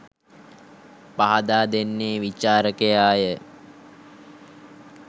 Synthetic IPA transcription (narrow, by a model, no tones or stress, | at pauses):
paɦad̪aːd̪enːeːʋit͡ʃaːɾəkejaːjə